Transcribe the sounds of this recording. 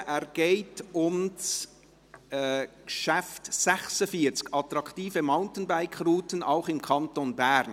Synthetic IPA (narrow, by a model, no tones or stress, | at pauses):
ɛɾɡ̥eɪtʊms | kʃɛftːɛxsəfiət͡skɑtɾɑktiːfəmaʊntən̩baɪkruːtənaʊχɪmkʰɑntonbɛɾn